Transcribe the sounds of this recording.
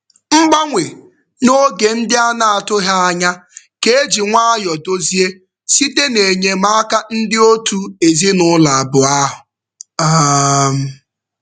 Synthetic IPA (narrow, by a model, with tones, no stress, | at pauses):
ŋ͡m̩˦ɡ͡ba˦ŋʷe˨ | no˦ɡe˨n̩˦dɪ˦a˦na˨a˨tʊ˦ɦa˦a˦ɲa˦ | ke˦e˦d͡ʒi˨ŋʷa˦a˦jɔ˨do˦zi˦e˦ | si˦te˦ne˨ɲe˨ma˦a˦ka˦n̩˦dɪ˦o˦tu˦e˨zi˦nʊ˦la˨a˨bʊ˨a˦ɦʊ˨ | a˦m̩˦